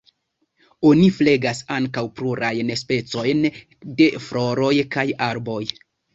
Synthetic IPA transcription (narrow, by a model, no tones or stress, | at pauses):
o̞nifle̞ɡasaŋkawpluɾʔajnspe̞t͡so̞jn | de̞flo̞ɾo̞jkajaɾbo̞j